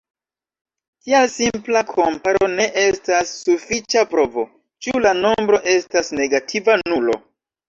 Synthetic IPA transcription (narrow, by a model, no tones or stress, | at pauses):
kialsimplakʰo̞mpaɾo̞ne̞ʔe̞stasːufit͡ʃapɾo̞vo̞ | t͡ʃulano̞mbɾo̞ʔe̞stasne̞ɡatʰivanulo̞̰